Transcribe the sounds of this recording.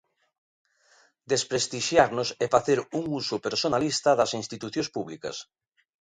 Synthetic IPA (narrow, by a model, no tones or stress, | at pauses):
d̪espɾest̪iʃjaɾnosɛfaθeɾuŋusopeɾsonalist̪ɐðɐsinst̪it̪uθjõnspuβlikɐ̰s